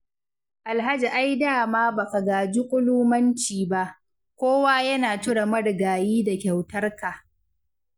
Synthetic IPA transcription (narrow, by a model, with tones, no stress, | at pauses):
ʔa˨lɦa˦d͡ʒi˨ʔa˦jdaː˦˨maː˦ba˨ka˨ɡaː˨d͡ʒi˦kʷʼʊ˦luː˦mɐ˦nt͡ʃiː˨ba˦ʔ | kʷoː˦waː˦jɐ˦naː˨tʊ˦ɽa˨mɐ˦ɽɡaː˨jiː˦da˨kʲa˨wtɐ˦rka˨